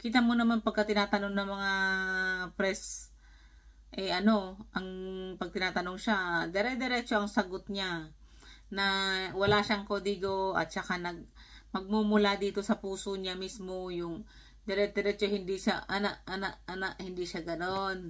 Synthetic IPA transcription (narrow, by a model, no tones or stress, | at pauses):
kit̪ɐmonɐmanpɐɡkɐt̪ɪnaːt̪ɐnoŋnɐŋmɐŋa | pɾɛs | ʔɛɐno̞ʔɐŋpɐɡ̚t̪ɪnaːt̪ɐno̞ŋʃad̪ɛɾɛd̪ɛɾɛt͡ʃo̞ʔɐŋsɐɡot̪̚ɲa | nɐwɐlaʃaʔŋkoːd̪ɪɡo̞ʔɐ̰t̪̚t͡ʃɐkanɐɡ̚ | mɐɡ̚mumʊlad̪iːt̪o̞sɐpuːsoɲamismojʊŋ | d̪ɛɾɛd̪ɛɾɛt͡ʃohɪnd̪iʃaʔɐnaʔʔɐnaʔʔɐnaʔhɪnd̪iʃaɡɐnon